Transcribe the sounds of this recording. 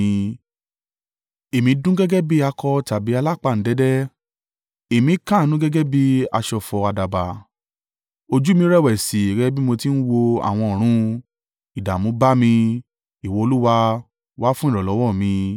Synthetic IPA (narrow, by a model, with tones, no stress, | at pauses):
e˨mĩ˨˧˦dũ˦ɡɛ˦ɡɛ˦bi˦a˧kʰɔ˧ta˨bi˨˦a˧la˦˨k͡pa˧˨n̩˨˦dɛ˨˦dɛ˦ | e˨mĩ˨˦kã˦˨˦nũ˨˦ɡɛ˦ɡɛ˦bi˦a˧ʃɔ˧fɔ˧a˧da˨ba˨ | o˧d͡ʒu˦mĩ˧˦ɾɛ˦˨wɛ˨si˨ɡɛ˦bi˦mo˧ti˦n̩˦wo˧a̰˨w̃ɔ̃˧o˨ɾ̃ũ˨˧˦ | i˨da˨mũ˨˦ba˦mĩ˧ | i˨wo˨˦o˧lu˦wa˧ | wa˦fũ˦ĩ˦˨ɾɔ˨lɔ˨˦wɔ˦˨mĩ˧